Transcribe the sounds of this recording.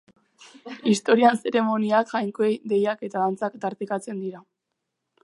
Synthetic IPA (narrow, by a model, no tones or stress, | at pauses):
ist̪o̞ɾianse̞ɾe̞mo̞niakxajŋkoejd̪e̞jake̞t̪aðant͡sakt̪aɾt̪ikat͡se̞nd̪iɾa